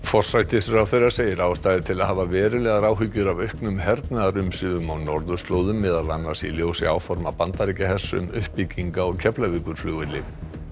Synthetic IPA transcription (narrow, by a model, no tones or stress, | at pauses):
fɔr̥sajt̪ɪsɾawθerːḁseːjɪɾaːwst̪aːjðɪt̪ʰɪlaðɦaːvavɛːɾʏlɛːɣaɾaːwɦʏcːʏɾavœɥhknʏmɦɛɾt̪naðaɾʏmsʏðʏmawnɔɾðʏst̪loːwðʏmːɛːðalanːasḭljoːwsɪa̰ːwfɔɾmapant̪aɾicaɦɛ̥sːʏ̰mʏhpiciŋkaɔɣcʰɛplavikʏɾ̥flʏɣvɪt̪lɪ